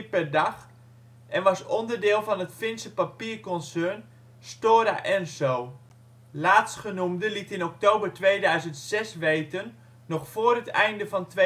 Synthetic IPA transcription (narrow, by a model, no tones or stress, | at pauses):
pɛdɑx | ʔɛnʋɑsɔndərdɪːlˠfɔnətfɪnsəpapiːrkɔnsøn | stoːɾa̰ʔɛnsow | laːtsχənumdəlitɪnɔk̚toːbərtʋejdœɥzəntsɛsʋejtənː | ɔxfoːrətɛjndəfɔntʋe